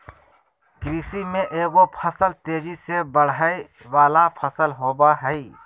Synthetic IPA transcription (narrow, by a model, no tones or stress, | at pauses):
kɾiːsimẽʔeːɡopʰəsəlt̪eːd͡ʒisebəɽ̤ai | ʋaːlapʰəsəlɦoːbaɦɛi